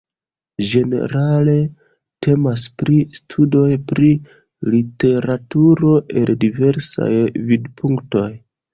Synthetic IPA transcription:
d͡ʒe̞ne̞̰ɾale̞ | tʰe̞maspɾistʰudo̞jpɾi | lite̞ɾatuɾo̞ʔe̞ldive̞ɾsa̰jvidpʰuŋkto̞j

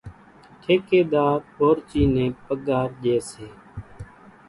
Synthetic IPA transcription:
ʈ̪ʰeːkeːɗ̪aːɾoːɾt͡ʃiːnẽːpəɠaːɾʄeːseː

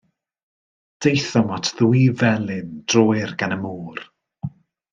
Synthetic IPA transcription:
d̥ejθɔmɔtʰðuivɛlˠɪnd̥rɔːɨrɡanəmuːr

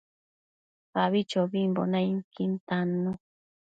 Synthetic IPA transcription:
aβit͡ʃobimbo̰najiŋkint̪anu

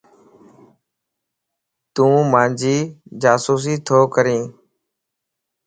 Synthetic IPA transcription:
t̪ũːmãːnd͡ʒiːd͡ʒaːsuːs̬iːt̪ʰoːkəɾĩː

